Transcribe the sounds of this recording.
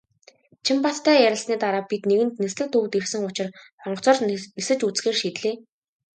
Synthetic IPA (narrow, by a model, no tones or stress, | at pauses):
t͡ɕʰimpat̪ʰːæːjæɾʲɪ̆ɬsniːt̪aɾaːpit̪neɣɘ̆nt̪nesɮɘ̆kt̪ʰɵwt̪ersɘ̆ŋʊt͡ɕɪ̆r | χɔɴɢɞ̥̆t͡sɔːrnesɘ̆t͡ɕut͡sxeːrʃit̪ɮeː